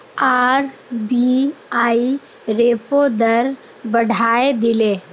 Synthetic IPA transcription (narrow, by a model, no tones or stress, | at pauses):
aːɾbiaːi | ɾeːpod̪əɾ | bɐɽʱaːed̪ɪleː